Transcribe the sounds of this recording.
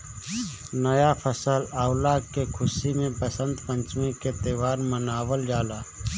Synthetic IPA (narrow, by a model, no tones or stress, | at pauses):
nəjapʰəsəlaːwlakekʰʊsimẽpəsə̃nd̪pə̃ɲt͡ʃmẽket̪eːʋaːɾmənaːwəld͡ʒaːlaː